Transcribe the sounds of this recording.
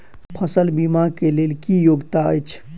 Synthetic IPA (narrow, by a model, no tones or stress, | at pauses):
pʰəsəlbimakelelkijoɡt̪aə̰jt͡ʃʰ